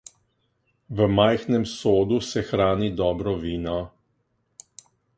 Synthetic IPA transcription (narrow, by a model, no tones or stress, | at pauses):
ʋəmajxnɛmsoːd̪usɛxɾaːnid̪ɔːbɾɔʋiːnɔ